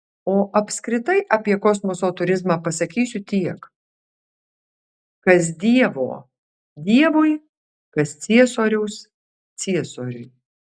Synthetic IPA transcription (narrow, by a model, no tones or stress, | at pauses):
oːʔɐpʲskɾʲɪt̪ɐɪʔɐːpʲiɛkoːsmosoːt̪ʊɾʲɪzmɑːpɐsɐkʲiːsʲʊt̪ʲiɛk | kɐs̬d̪ʲiɛʋo̰ː | d̪ʲiɛʋʊɪ | kɐssʲiɛsoːɾʲɛʊs | t͡ssʲiɛsoːɾʲʊɪ